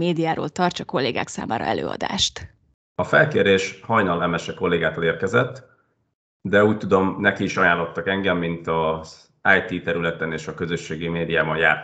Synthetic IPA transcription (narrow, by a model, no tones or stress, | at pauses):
meːd̪ijaːɾo̰ːlt̪ɒrt͡ʃɒko̞lːeːɡa̰ːksa̰ːmʔaːɾʔɒ̰ʔɛ̰lø̰ːɒ̰d̪a̰ːʃt̪ | ɒfɛlkeːɾeːʃhɒjnɒlɛmɛʃɛko̞lːeːɡaːt̪oleːrkɛzɛt̪ː | d̪ɛuːc̚t̪ud̪o̞mnɛkiːʃɒjaːlo̞t̪ːɒkɛŋɡɛmːint̪ɒz | ajt̪iːt̪ɛɾylɛt̪ɛneːʃɒkø̞zø̞ʃːeːɡimeːd̪ijaːbɒnjaː